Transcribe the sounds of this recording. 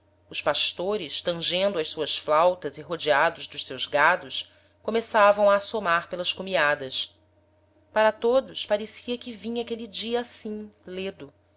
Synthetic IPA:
ʊʃpaʃt̪oɾɪʃt̪ɐ̃ʒẽnd̪ʊɐʃsuɐsflawt̪ɐziɦod͡ʒiad̪ʊzd̪ʊʃsewzɡad̪ʊʃ | komesavɐ̃w̃aːsomaɾpelɐʃkomiad̪ɐs | paɾɐt̪od̪ʊspaɾesiɐkɪvĩɲakelid͡ʒiɐːsĩled̪ʊ

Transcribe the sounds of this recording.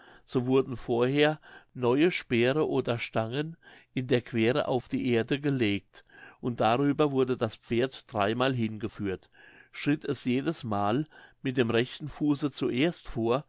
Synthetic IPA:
z̥oːvʊɐdn̩foːɐheːɐnɔʏəʃpeːʁəʔoːdɐʃtaŋənʔɪndeːɐkv̥eːʁə̰ʔa̰ʊfd̥iːʔeːɐdəɡəleːk̚tʔʊnt̚d̥aʁyːbɐvʊɐdədaspp͡feːɐtd̥ʁaɪmaːlɦɪnɡəfyːɐt | ʃʁ̥ɪtʰɛsjeːdəsmaːlmɪt̚d̥eːmʁɛçtn̩fuːsət͡suʔeːɐstfoːɐ

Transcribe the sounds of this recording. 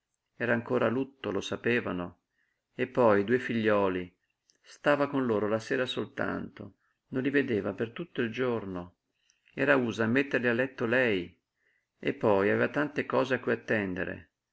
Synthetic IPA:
ɛːɾaːŋkoːɾalut̪ːolosapeːvano | epːɔjd̪uefiʎːɔːli | st̪aːvakonloːɾolaseːɾasolt̪a̰nt̪o | nonlived̪eːvapert̪ut̪ːoild͡ʒorno | ɛ̰ːɾauːzamːet̪ːerlialːɛt̪ːolɛj | epːɔjaveːvat̪ant̪ekɔːzeakːujat̪ːɛnd̪ḛɾḛ

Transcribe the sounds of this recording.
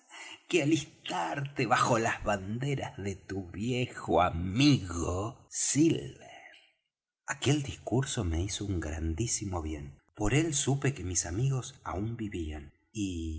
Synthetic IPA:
kealist̪aɾt̪eβaxo̞lazβand̪eɾazðet̪uβjexoamiɣosilβeɾ | ake̞ld̪iskuɾso̞me̞isouŋɡɾand̪isimoβje̞npo̞ɾe̞lsupekemisamiɣo̞sa̰umbiβian | i

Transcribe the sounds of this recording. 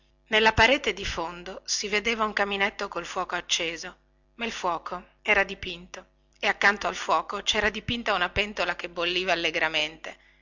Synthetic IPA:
nelːapaɾeːt̪ed̪ifond̪osived̪eːvauŋkaminet̪ːokolfwɔːkoat͡ʃːeːzo | mailfwɔːkʰo | ɛːɾad̪ipint̪o | eakːant̪oalfwɔːkot͡ʃɛːɾad̪ipint̪aunapɛnt̪olakebːolːiːvaːlːeɡɾament̪e

